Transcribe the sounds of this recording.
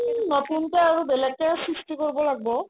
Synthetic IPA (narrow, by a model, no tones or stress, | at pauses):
nɔtunteaɹubɛlɛkːasɹisʈikoɹibɔlaɡ̚bɔ